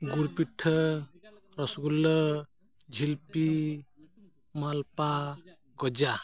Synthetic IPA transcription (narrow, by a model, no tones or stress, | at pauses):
ɡuɾpiʈʰːə | ɾɔsɡulːɔ | d͡ʒʱilpi | malpa | ɡɔd͡ʒa